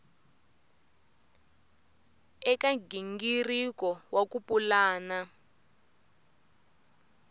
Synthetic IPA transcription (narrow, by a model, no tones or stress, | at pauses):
ɛkaɡiŋɡirikɔwakupulaːna